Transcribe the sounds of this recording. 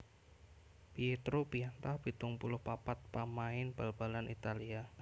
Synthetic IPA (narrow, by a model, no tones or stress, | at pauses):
piet̪ɾupiant̪ahb̥i̤t̪ʊŋpulʊhpapat̪̚pamaɪnb̥alb̥alanʔit̪alia